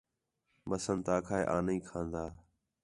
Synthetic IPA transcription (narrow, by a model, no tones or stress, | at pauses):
məsənt̪aːkʰaːeːʔaːniːkʰãːnd̪aː